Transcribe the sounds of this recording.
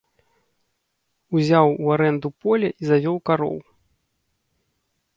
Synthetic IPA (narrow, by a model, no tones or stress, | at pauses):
uzʲawuaɾɛnd̪upɔlʲɐʔizavʲɔwkaɾɔ̰w